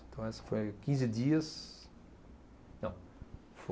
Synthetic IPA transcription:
t̪ɐ̃w̃ɛsɐ̥fojkĩzɪd̪iɐs | nɐ̃w̃ | fo

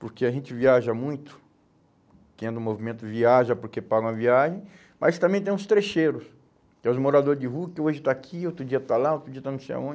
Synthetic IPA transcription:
poɾkeaʒẽnt͡ʃɪviaʒɐmũj̃t̪ʊ̥ | kẽd̪ʊ̃ũmovimẽnt̪ʊviaʒɐpoɾkepaɡɐ̃w̃ɐviaʒẽj̃ | ma̰st̪ɐ̃mbẽj̃t̪ẽj̃ʊst̪ɾeʃejɾʊs | kɛʊzmoɾad̪oɾzd͡ʒɪɦukɪoʒɪt̪aːkʰiot̪ɾʊd͡ʒiɐt̪alaot̪ɾʊd͡ʒiɐt̪anũseja̰õd͡ʒɪ

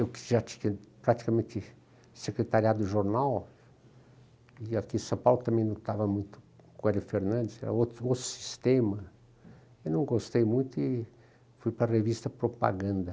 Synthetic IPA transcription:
ewkɪ̥ʒat̪ĩ̥ɲɐpɾat̪i̥kɐmẽnt̪ɪ | sekɾet̪aɾiad̪ʊʒoɾnaw | ɪakĩsɐ̃pawlʊt̪ɐ̃mẽj̃nɐ̃w̃t̪avɐmũj̃t̪ʊ̥kõɛliɪfeɾnɐ̃nd̪ɪsɛ̰ɾɐ̰ot̪ot̪ɾʊ̥si̥st̪ẽmɐ | ewnɐ̃w̃ɡost̪ejmũj̃t̪ʊɪ | fujpɾɐrevist̪ɐpɾopa̰ɡɐ̃nd̪ɐ

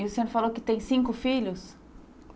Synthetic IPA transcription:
ʊsẽnʊfalowkɪt̪ẽj̃sĩŋkʊfiʎʊs

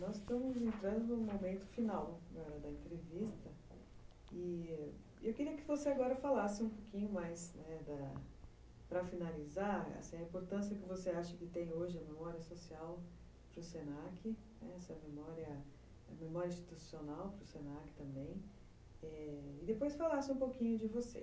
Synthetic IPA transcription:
nɔzst̪ɐ̃mʊzẽnt̪ɾɐ̃nd̪ʊnʊ̃mõmẽnt̪ʊ̥finawd̪ɐd̪ɐẽnt̪ɾevist̪ɐ | ɪ | ewkɪɾiɐkɪvoseaɡɔɾɐfalasɪũpokĩɲʊmajsnɛd̪ɐ | pɾɐfinalizaɾa̰sĩɐĩmpoɾt̪ɐ̃siɐkɪvoseaʃɐkɪt̪ẽj̃oʒɪɐmemɔɾiɐsosiaw | pɾʊsenakɪnɛ̰ɛsɐmemɔɾiɐ | ɐmemɔɾjɐĩst͡ʃi̥t̪usionawpɾʊsenakɪ̥t̪ɐ̃mbẽj̃ | ɛɪd̪epojsfalasɪũpowkĩɲʊd͡ʒɪvosḛ

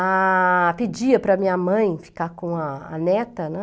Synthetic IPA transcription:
apid͡ʒiɐpɾɐmĩɲɐmɐ̃j̃fi̥kakõɐ̰ːnɛt̪ɐnɛ̃

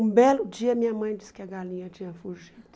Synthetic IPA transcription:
ũbɛlʊd͡ʒiɐmĩɲɐmɐ̃j̃d͡ʒiskɪɐɡalĩɲɐt͡ʃĩɲɐfuɾʒid̪ʊ

